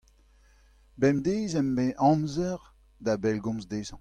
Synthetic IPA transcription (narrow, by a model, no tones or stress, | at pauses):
bɛmd̪eːzɛmbeʔɑ̃mzɛʁ | d̪abɛlɡɔ̃mzd̪eːzɑ̃